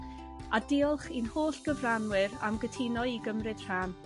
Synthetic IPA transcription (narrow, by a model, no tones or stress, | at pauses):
adɪɔlˠχinhoːɬɡ̥əvranwɨɾa̰mɡətʰinɔiɡəmrɨd̥r̥aːn